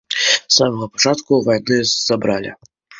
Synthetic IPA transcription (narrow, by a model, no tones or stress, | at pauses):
samɐɣɐpḁt͡ʂat̪kuvajnɨz̥abɾalʲḭ